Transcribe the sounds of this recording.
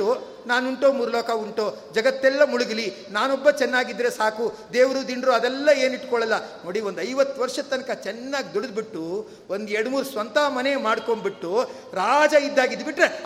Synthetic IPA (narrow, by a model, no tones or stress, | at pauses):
u | naːnuɳʈoːmuːɾɐlɔːkɐuɳʈoːd͡ʒɐɡɐt̪ːɛlːɐmuɭuɡili | naːnɔbːɐt͡ʃɛnːaːɡid̪ːɾesaːkud̪eːʋɾud̪inɾuɐd̪ɛlːɐeːniʈkɔɭɐlːɐnoːɽiʋond̪ɐjʋɐt̪ːuʋɐɾʂɐt̪ːɐnɐkɐt͡ʃɛnːaːɡid̪uɽid̪̚biʈːu | ond̪ɛɾɽmuːɾusʋɐnt̪ɐmɐnemaːɽko̞ɳbiʈːu | ɾaːd͡ʒɐid̪ːaːɡid̪biʈɾe